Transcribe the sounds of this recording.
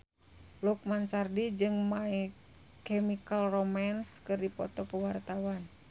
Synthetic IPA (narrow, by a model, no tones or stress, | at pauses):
luk̚mant͡ʃardid͡ʒɨŋmai | kɛmikalromanskɨrdipɔt̪ɔkəwart̪awan